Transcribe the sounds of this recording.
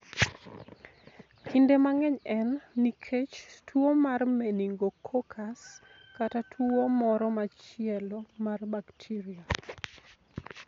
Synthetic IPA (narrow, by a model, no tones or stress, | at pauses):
kindemaŋɛɲɛnːikʰet͡ʃtwomarmeniŋɡokʰokʰas | katatʰuomɔɾɔmat͡ʃɪɛlɔmarbaktʰiɾia